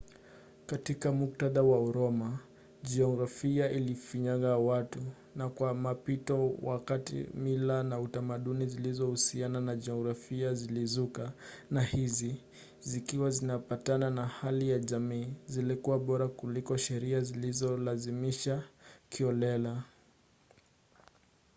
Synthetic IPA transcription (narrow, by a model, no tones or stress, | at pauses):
katikamuk̚taðawauɾɔma | ʄɛɔɣɾafiaʔilifiɲaɣawatu | nakwamapitɔwa̰katḭmilanautamaɗunizilizɔhusiananaʄɛɔɣɾafiazilizukanahizi | zikiwazinapatananahalijaʄamiːzilikuwaɓɔɾakulikɔʃɛɾiazilizɔlazimiʃakʰiɔlɛla